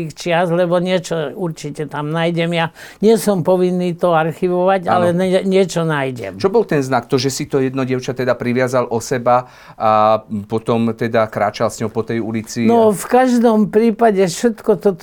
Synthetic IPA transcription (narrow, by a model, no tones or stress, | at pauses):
ixt͡ʃɪaslɛbɔɲɪɛt͡ʃɔuɾt͡ʃicɛt̪amnaːjɟɛmjaɲɪɛsɔmpɔʋinːiːt̪ɔaɾxiʋɔʋaɟa̰lɛɛɲɪɛt͡ʃɔnajɟɛ̰mt͡ʃɔbɔlt̪ɛnznak̚t̪ɔʒɛsit̪ɔjɛd̪nɔɟɪɛʊt͡ʃat̪ɛd̪apɾiʋɪazalʔɔsɛba | apɔt̪ɔmt̪ɛd̪akɾaːt͡ʃalsɲɔɦɔpɔt̪ɛjulit͡sinɔfkaʒd̪ɔmpɾiːpaɟɛfʃɛt̪kɔt̪ɔt̪